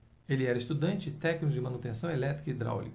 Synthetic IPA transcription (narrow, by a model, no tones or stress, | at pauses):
elɪɛɾɐest̪ud̪ɐ̃nt͡ʃɪt̪ɛknikʊd͡ʒɪmɐ̃nut̪ẽsɐ̃w̃elɛt̪ɾi̥kɐid̪ɾa̰wlḭk